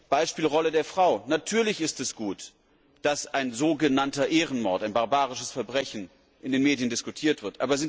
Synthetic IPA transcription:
b̥aɪʃpiːlʁɔlədeːɐfʁ̥aʊnatʰyːɐlɪçɪstɛsɡ̥uːt | d̥asʔaɪnzoːɡənantɐʔeːʁənmɔɐtaɪnbaɐbaːʁɪʃəsfɛɐbʁɛçn̩ | ʔɪndeːnmeːdijəndɪskutʰiːɐtv̥ɪɐtʔaːbɐzɪn

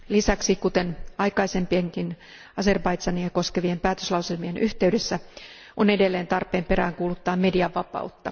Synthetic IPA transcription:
lisæksikut̪e̞nɑjkɑjse̞mpieŋkin | ɑse̞rbɑjt̪sɑnieko̞ske̞ʋiempæːt̪øslɑwselmienʔyht̪e̞yde̞sːæ | ʔonedelːeːnt̪ɑrpˑe̞ːmpe̞ɾæːŋkuːlut̪ːɑːmme̞diɑʋːɑpɑ̰ut̪ːɑ

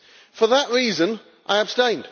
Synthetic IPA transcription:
fəðəʔɹiːzə̃n | ʔaɪəb̥stẽɪ̃nd̥

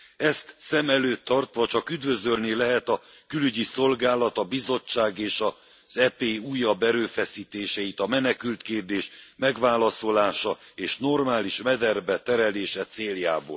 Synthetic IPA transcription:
ɛst̪sɛmɛløːt̪ːɒrt̪ʋɒt͡ʃɒkyd̪vø̞zølnilɛɦɛt̪ɒkylyɟiso̞lɡaːlɒt̪ɒbizo̞t͡ʃːaːɡeːʃɒ | z̥ɛpeːuːjːɒbːɛɾøːfɛsiːt̪eːʃɛit̪ɒmɛnɛkylt̪keːrd̪eːʃmɛɡʋaːlɒso̞laːʃɒ | eːʃno̞rmaːliʃmɛd̪ɛrbɛt̪ɛɾɛleːʃɛt̪seːljaːbo̰ːl

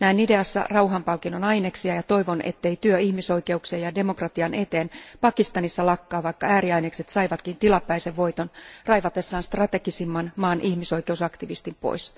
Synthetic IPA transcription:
næinide̞ɑsːɑ̰rɑuɦɑmpɑlkinonɑineksiɑjɑt̪o̞iʋo̞nḛt̪ːeit̪yøihmiso̞ike̞ukseːjɑde̞mokrɑt̪iɑne̞t̪eːnpɑkist̪ɑnisːɑlɑkːɑːʋɑikːɑæːɾiɑinekset̪sɑiʋɑt̪kint̪ilɑpːæiseʋːo̞it̪onrɑijʋɑt̪esːɑːnst̪rɑt̪e̞kisimːɑnmɑːnʔihmiso̞ike̞usɑkt̪iʋist̪impo̰is

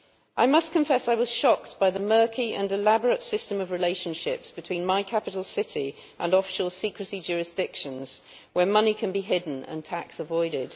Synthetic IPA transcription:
ʔaɪmʌskʰə̃ɱfɛsaɪwɒz̥ʃɒk̚tb̥aɪðəmɜˑ˞kʰiə̰̃nɪlabəɹətsɪstə̃məvɹɨleɪʃə̃nʃɪpsb̥ɨtʰw̥ĩnmaɪkʰapɪtˡəl̩ˠsɪti | ʔə̃nɒfɪ̥ʃəl̩ˠsiˑkɹəsid͡ʒʊːɹɪsd̥ɪkʃə̃nz̥ | wəmʌnikʰə̃nbiɦɪdⁿn̩ə̰̃ntʰaksəvɔɪɾɪd̥

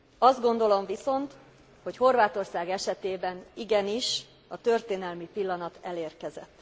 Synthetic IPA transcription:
ɒzd̪̚ɡo̞nd̪o̞lo̞ɱviso̞nt̪ | ho̞cho̞rvaːt̪o̞rsaːɡɛʃɛt̪eːbɛniɡɛniʃ | ɒt̪ø̞rt̪eːnɛlmipilːɒnɒt̪ɛleːrkɛzɛ̰t̪ː

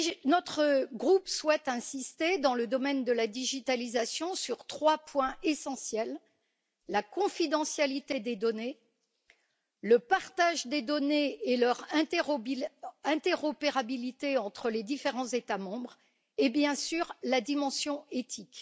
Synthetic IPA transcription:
nɔt̪χəɡʁupswɛt̪ɛ̃sist̪ed̪ɑ̃ləd̪ɔmɛnd̪əlad̪iʒit̪alizasjɔ̃syʁt̪χwapwɛ̃ʔesɑ̃sjɛlː | akɔ̃fid̪ɑ̃sjalit̪ed̪ed̪ɔne | ləpaʁt̪aʒd̪ed̪ɔneːlœʁɛ̃ | ɛ̃t̪eʁɔpeʁabilit̪eɑ̃t̪χəled̪ifeʁɑ̃zet̪amɑ̃bʁ | ebjɛ̃syʁlad̪imɑ̃sjɔ̃et̪ʰik

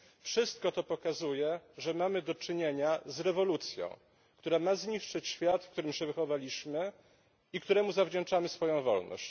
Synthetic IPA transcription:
fʂɘst̪kɔt̪ɔpɔkazujɛʐɛmamɘd̪ɔt͡ʂɘɲeɲazɾɛvɔlut̪sʲjɔ̰̃w̃ | kt̪uɾamazɲiʂt͡ʂɘt͡ɕɕfʲjat̪fkt̪uɾɘmɕɛvɘxɔvalʲiɕmɘ | ikt̪uɾɛmuzavd͡ʑɛnt͡ʂamɘsfɔjɔ̃w̃vɔlnɔ̰ɕt͡ɕ

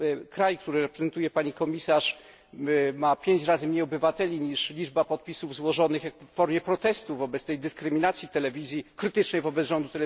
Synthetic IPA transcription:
kɾajkt̪uɾɘɾɛpɾɛzɛnt̪ujɛpaɲikɔmʲisaʂ | mapʲjeɲt͡ɕɾazɘmɲejɔbɘvat̪ɛlʲiɲiʂlʲid͡ʐbapɔt̪̚pʲisuvzwɔʐɔnɘxjafːɔɾmʲjɛpɾɔt̪ɛst̪uvɔbɛt̪st̪ɛjd̪ɘskɾɘmʲinat̪sʲjit̪ɛlɛvʲizʲjikɾɘt̪ɘt͡ʂnɛjvɔbɛt̪zʐɔnd̪ut̪ɛɛ

